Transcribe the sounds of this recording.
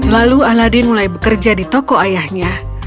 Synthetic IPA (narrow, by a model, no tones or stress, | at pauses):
lalualadinulajbəkərd͡ʒadit̪ɔkɔajahɲa